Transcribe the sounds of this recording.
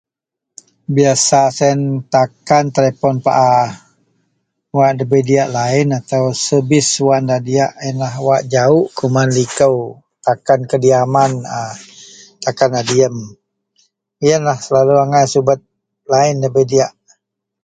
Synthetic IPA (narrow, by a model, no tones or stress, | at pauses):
biasasɛnt̪akant̪əlepɔnpa̰ʔa | waʔdəbədiaʔlaɪnat̪awsəbɪswaʔndadiaʔjənlahwaʔd͡ʒaʊʔkumanlikəw | t̪akankədiamanə | t̪akanadiəm | ijənlahsəlaluaŋajsubət̪̚ | laɪndəbədiaʔ